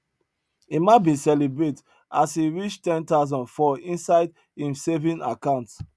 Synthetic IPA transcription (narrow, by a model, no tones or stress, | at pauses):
imaɪtbisɛlibɹet | asiɹit͡ʃtɛ̃ntaʊzɔ̃nfɔĩnsaɪd | ĩmsevĩna̰kãʊ̃nt